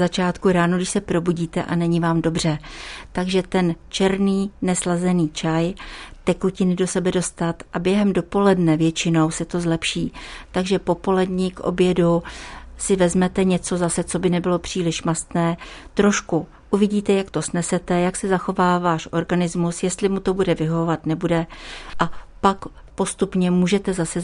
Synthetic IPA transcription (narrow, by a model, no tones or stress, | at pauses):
zat͡ʃaːt̪kuɾaːnuɡdɪʃsɛpɾo̞buɟiːt̪ɛʔanɛɲɪvaːmdo̞br̝ɛt̪aɡʒɛt̪ɛnt͡ʃɛɾniːnɛslazɛniːt͡ʃajt̪ɛkucɪnɪdo̞sɛbɛdo̞st̪at̪ʔabjɛɦɛmdo̞po̞lɛdnɛvjɛt͡ʃɪno̞wsɛt̪o̞zlɛpʃiːt̪aɡʒɛpo̞po̞lɛdɲɪkʔo̞̰bjɛdusɪvɛzmɛt̪ɛɲɛt͡so̞zasɛt͡so̞bɪnɛbɪlo̞pr̝̥iːlɪʃmast̪nɛːt̪ɾo̞ʃku | ʔuvɪɟiːt̪ɛjakt̪o̞snɛsɛt̪ɛjaksɛzaxo̞vaːvaːʃʔo̞ɾɡanɪzmusjɛst̪lɪmut̪o̞budɛvɪɦovovat̪nɛbudɛʔapak | po̞st̪upɲɛmuːʒɛt̪ɛzasɛ